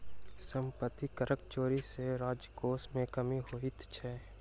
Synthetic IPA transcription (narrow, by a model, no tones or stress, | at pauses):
sə̃mpət̪ːikəɾʔəkt͡ʃoːɾiseɾaːd͡ʒjəkoːsmẽkəmiɦoɪt̪t͡ʃʰɛː